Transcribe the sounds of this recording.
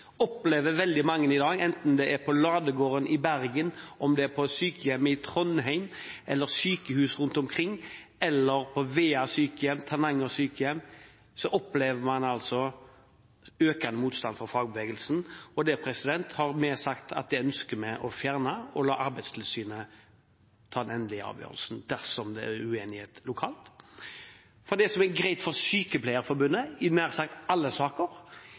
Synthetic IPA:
ɔpleːʋəʋɛld̪ɪmɑŋːənɪd̪ɑːɡɛnt̪n̩d̪ɛʔæɾpʰɔlɑːd̪əɡoːʁənɪbæɾɡənɔmd̪ɛæɾpʰɔsyːkəjɛmːəɪt̪ʰɾɔnɦæɪmʔɛlːəɾsyːkəhʉːsɾʉnt̪ɔmkʰɾɪŋːɛlːəɾpʰɔʋeːɑsyːkəjɛmt̪ʰæʁnɑŋːɔsyːkəjɛmː | sɔʔɔpleːʋəmɑnɑlsɔ | øːkɑnəmuːt̪st̪ɑnd̪fɔʁfɑːɡ̚bəʋeːɡəlsn̩ɔd̪ɛpʰɾɛsɪd̪ɛnt̪hɑɾmɛsɑkt̪ʰɑ̰t̪̚d̪ɛœnskəmɛʔɔfjæːʁnɑɔlɑːʔɑɾbæɪd̪st̪ʰɪlsyːnə | t̪ʰɑːd̪ɛnɛnd̪lɪɪɑ̰ːʋjø̰ːʁə̰lsn̩d̪̥æʁsɔmd̪ɛæ̰ʉeːnɪheːt̪lʊkʰɑːlt̪ | fɔʁd̪ɛsɔmæɡɾæɪt̪fɔɾsyːkəpʰlæɪəɾfɔɾbʉnːəɪnæːʁsɑkt̪ɑlːəsɑːkəɾ

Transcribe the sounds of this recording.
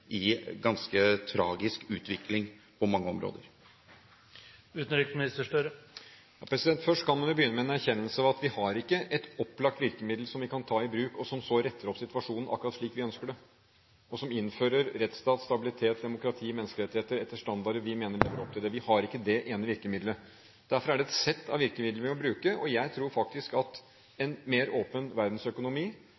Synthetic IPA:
ɪɡɑnskət̪ʰɾɑːɡɪskʉːt̪ʋɪklɪŋ | pʰɔmɑŋːəɔmɾo̰ːd̪ə̰ɾ | ʉːt̪n̩ɾɪkmɪnɪst̪əʂʈœɾə | jɑːpʰɾɛsɪd̪ɛnt̪fœʂʈkʰɑnmɔʋɪbəjʏnːəmɛnæɾçɛnːəlsəɑʋɑt̪ʋɪhɑɾɪkːəʔɛt̪ɔpːlɑkt̪ʋɪɾkəmɪd̪l̩sɔmʋɪkʰɑnt̪ʰɑːɪbɾʉːkɔsɔmsɔɾɛt̪ːəɾɔpsɪt̪ʋɑʂuːnn̩ʔɑkːʉɾɑt̪ʂɭiːkʋɪœnskəɖɛ | ɔsɔmɪnːføːɾəɾɾɛt̪st̪ɑːt̪st̪ɑbɪlɪt̪ʰeːt̪̚d̪ɛmʊkɾɑt̪ʰiːmɛnskəəɾɛt̪ɪheːt̪əɾɛt̪ːəʂʈɑnd̪ɑɖəʋɪmeːnəɭeːʋəɾɔp̚t̪ʰɪld̪ɛʋɪhɑɾɪkːəd̪ɛʔeːnəʋɪɾkəmɪd̪lə | d̪̥æɾfɔɾæɖɛɛt̪sɛt̪ːɑ̰ʋɪɾkəmɪd̪lʋɪmɔbɾʉːkəʔɔjæɪt̪ʰɾuːɾfɑk̚t̪ɪskɑt̪ | ɛnmeːɾoːpənʋæɾd̪n̩sœkʊnʊmiː

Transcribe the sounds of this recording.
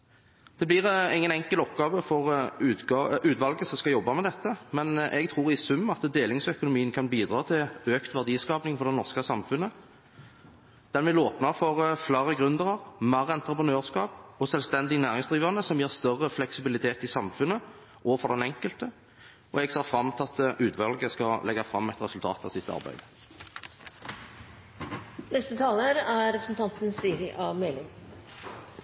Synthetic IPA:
d̪̥ɛblɪːʁɪŋːənɛŋkəlɔpɡɑːʋəfɔʁʉːt̪ɑʉːt̪ʋɑlɡəsɔmskɑjɔbːɑmɛd̪ɛt̪ːəmɛnʔɛ̰ɡt̪ʰʁuːʁɪsʉmːɑt̪d̪eːlɪŋsœkʊnʊmiːənkʰɑnbiːd̪ʁɑːt̪ʰɪløːkt̪ʋæʁd̪iːskɑːpnɪŋfɔɾd̪ɛnɔʁskəsɑmfʉnə | d̪̥ɛnʋɪloːpnɑɾfɔʁflæːʁəɡʁʉnd̪əʁəʁmæːʁəɛnt̪ɾəpʁənøːʁskɑːpɔsœlst̪ɛnd̪ɪnæːʁɪŋsd̪ʁiːʋɑnəsɔmjeːʁst̪œʁəflɛksɪbɪlɪt̪ʰeːt̪ɪsɑmfʉnːə | ʔɔːʋəfɔʁd̪ɛnɛŋkəlt̪ə | ɔɛɡseːʁfʁɑmːt̪ʰɑt̪ːəʔʉːt̪ʰʋɑlɡəskɑlɛɡːɑfʁɑmːɛɪt̪ʁɛsʉlt̪ʰɑ̰ːt̪ɑ̰ʋsɪt̪ːɑ̰ʁbæ̰ɪd̪̥ | nɛst̪ət̪ʰɑːləɾæɾɾɛpɾəsn̩t̪ɑnt̪n̩siɾɪʔɑʋmelɪ

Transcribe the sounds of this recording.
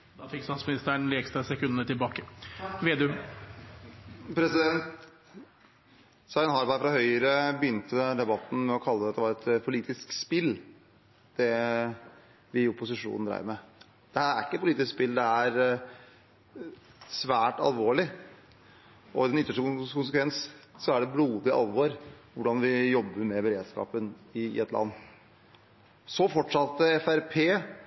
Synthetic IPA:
d̪ɑfɪkst̪ɑːt̪smɪnɪst̪əɳleːkst̪ɾɑsɛkʰʉnːət̪ɪlbɑːkəʋeːd̪ʉ | pʰɾɛsɪd̪ɛnt̪ | sɑɪnhɑɾbɑɪfɾɑhœʏəɾəbəjʏnt̪əd̪ɛbɑt̪ːn̩mɛɔkʰɑlːəd̪ɛt̪d̪ɛʋɑːɾɛt̪pʰʊliːt̪ɪskspɪlː | d̪̥ɛ | ʋɪʊpʊs̬ɪʂṵːnn̩d̪ɾæ̰ɪəɾmɛ | d̪̥ɛhæːɾæ̰ɾɪkːətpʊliːt̪ɪskspɪld̪ɛæɾ | sʋæːʈɑ̰lʋoːɭɪ | ɔɪd̪ɛnʏt̪ːəʂʈəkʊns̬əkʰʋɛnssɔæɖɛbluːd̪ɪʔɑ̰lʋɔɾʋʊɖɑnʋɪjɔbːəɾmɛbəɾeːd̪skɑ̰ːpənɪ̰ɛt̪lʔɑ̰nː | sɔfɔʈʂɑt̪ːəɛfæɾpʰeː

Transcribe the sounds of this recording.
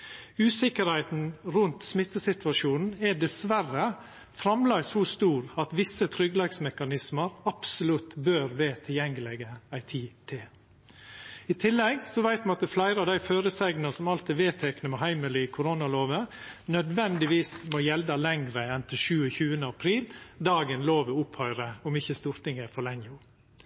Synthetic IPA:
ʉːsɪkəɾhæɪt̪n̩ɾʉnt̪smɪt̪ːəsɪt̪ʋɑʂuːnn̩ɛɖɛsʋærə | fɾɑmlæɪsust̪uːɾɑt̪ʋɪsːət̪ʰɾʏɡlɑɡsmɛkɑnɪsməɾɑpsʊlʉt̪bøːɾʋeːt̪ʰɪljɛŋːəlɛɡəæɪt̪ʰiːt̪ʰe | ɪt̪ʰɪlːɛɡsɔʋæɪt̪mɑnɑt̪̚d̪əflæɪɾəɑʋd̪æɪføːɾəsɛɡnəsɔmɑlt̪ɪʋeːt̪ʰɛknəmɛɦæɪməlɪkʰʊɾoːnɑloːʋənœd̪ʋɛnd̪ɪʋiːsmɔjɛld̪ɑlɛŋɾəɛnt̪ʰɪlʃʉːəçʉːənəɑpʰɾiːld̪ɑːɡənloːʋəʊpʰhœʏɾəɔmɪçəst̪uɾt̪ɪŋɛfɔɭɛŋʊ

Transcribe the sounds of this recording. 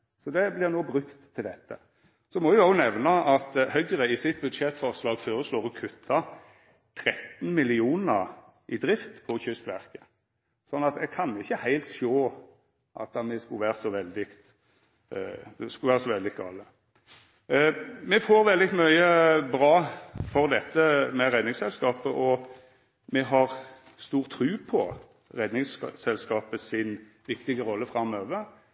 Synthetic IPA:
sɔd̪ɛblɪʁnoːbɾʉkt̪ʰːɪld̪ɛt̪ːə̰ | sɔmɔʋɪɑːɡnɛʋnɑɑt̪hœɡəɾəɪsɪt̪̚bʉd̪ʂɛt̪fɔʁslɑːɡføːɾəsloːʁɔkʰʉt̪ʰːɑ | t̪ʰɾɛt̪nmɪlɪuːnəʁ | ʔɪd̪ɾɪft̪pʰɔçʏst̪ʋæʁkə̥ | sɔnːɑt̪̚d̪ɛkʰɑnɪçːəhæɪlt̪ʃoː | ʔɑ̰t̪ɑmɛskʊʋæːʁsɔʋɛld̪ɪkt̪ | ɛskʉʋæːʁsɔʋɛld̪ɪɡɑlːə | mɛfoːɾʋɛld̪ɪmœʏəbɾɑːfɔʁd̪ɛt̪ːəmɛɾɛd̪nɪŋsɛlskɑːpəʔɔ | mɛɦɑʁ | st̪uːʁt̪ʰːɾʉːpʰɔ | ʁɛd̪nɪŋssɛlskɑːpəsɪn | ʋɪkt̪ɪɡəɾɔlːəfʁɑmøːʋəɾ

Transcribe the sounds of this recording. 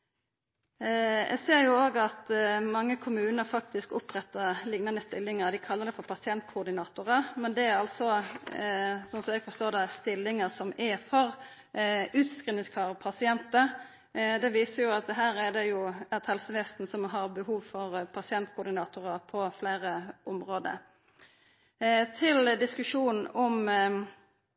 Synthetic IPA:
ʔɛ̰seːɾjʊoːɡɑt̪mɑŋːəkʰʊmʉːnəɾfɑk̚t̪ɪskʊpɾɛt̪ːəlɪɡnɑnəst̪ɪlːɪŋəɾd̪ɪkʰɑlːəd̪ɛfɔɾpʰɑsɪɛnt̪kʰʊʁd̪ɪnɑːt̪ʊɾəmɛnd̪ɛæɾɑlsɔ | sɔnsɔmɛɡfɔst̪oːd̪ɛst̪ɪlːɪŋəsɔmʔɛfɔɾ | ʉːt̪skɾiːnɪŋskʰɑːʁpʰɑsɪɛnt̪ə | d̪ɛʋiːsəjʊɑt̪ɦæːɾæd̪ɛjʊɛt̪hɛlsəʋɛːst̪n̩sɔmɦɑɾbəɦuːʋfɔʁpʰɑsɪɛnt̪̚kʰʊːɾd̪ɪnɑːt̪ʊɾəpʰɔfleːɾəɔmɾoːd̪ə̰ | t̪ʰɪld̪ɪskʉʂuːnn̩ɔm

